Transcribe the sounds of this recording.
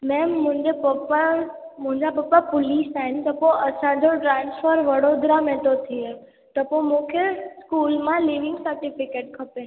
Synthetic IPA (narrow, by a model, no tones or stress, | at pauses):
mɛ̃mʊ̃ɦɪ̃ɲd͡ʑepəpa | mʊ̃ɦɪ̃ɲd͡ʑapɐpːapʊliːsaːɦɪnt̪ɐpõʔəsãd͡ʑoʈɾãːnsfʰəɾʋəɽod̪ʱɾamẽːʈot̪ʰie | t̪əpõmũkʰeskuːlmãliːʋɪ̃ŋɡsəɾʈɪfɪkeːʈkʰɐpẽ